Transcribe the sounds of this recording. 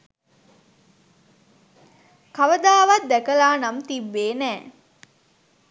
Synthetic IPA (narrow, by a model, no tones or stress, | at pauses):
kaʋəd̪aːʋɐt̪̚d̪ækəlaːnamt̪ibːeːnɛː